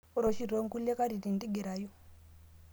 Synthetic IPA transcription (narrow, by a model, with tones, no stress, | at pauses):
ɾo˨ʃi˨ɾo˨˦ŋku˦lɛ˦ka˦ɾi˨ɾi˨ndi˦ɡɛ˨ɾa˨jɔ˦